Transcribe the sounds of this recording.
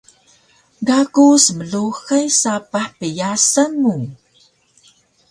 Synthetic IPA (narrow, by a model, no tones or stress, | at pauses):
ɡakusəməɮuxəjsapaħpəjasəmu